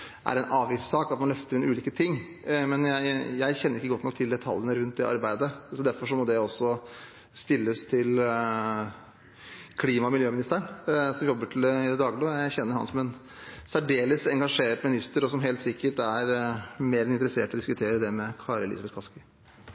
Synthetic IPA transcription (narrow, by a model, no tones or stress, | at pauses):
ʔæ̰ɾɛnʔɑːʋɪft̪sɑːkɑt̪mɑnlœft̪əɾɪnʉːliːkət̪ʰɪŋː | mɛnjæɪjæɪçɛnːəɾɪkːəɡɔt̪ːnɔk̚t̪ʰɪld̪ɛt̪ʰɑ̰lːjənəɾʉnt̪̚d̪ɛʔɑ̰ɾbæɪd̪əsɔd̪æɾfɔʂɔmɔd̪ɛɔsːɔ | st̪ɪlːəst̪ʰɪl | kʰliːmɑmɪljøːmɪnɪst̪əɳsɔmjɔbːəʈʰɪlɛd̪əd̪ɑːɡloːjæɪçɛnːəɾhɑ̰nsɔmɛn | sæɖeːləsɛŋɡɑʂeːʈmɪnɪst̪əɾɔsɔmɦeɪlt̪sɪkːəʈæɾmeːɾɛnɪnt̪əɾəseːʈɔd̪ɪskʉt̪ʰeːɾəd̪ɛmɛkʰɑːɾɛlɪ̰sbɛt̪kʰɑskɪ